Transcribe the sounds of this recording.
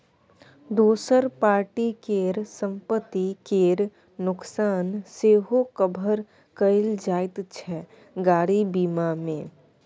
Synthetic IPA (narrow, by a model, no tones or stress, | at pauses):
d̪oːsəɾpaːɾʈikeːɾsə̃mpət̪ːikeːɾ | nʊksaːnseːɦokəbʱəɾ | kəɪld͡ʒaːɪt̪t͡ʃʰɛ | ɡaːɽibiːmamẽː